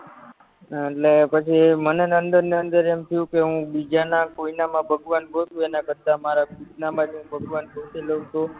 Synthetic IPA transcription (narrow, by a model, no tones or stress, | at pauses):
eʈlepət͡ʃʰimənenənd̪əɾneənd̪əɾemt̪ʰəjũkeɦũbid͡ʒanakoinamãbʱəɡʋanbʱot̪ũenãkəɾt̪amaɾaɡʱut̪namãd͡ʒɦũbʱəɡʋanbʱot̪iləʋũt̪o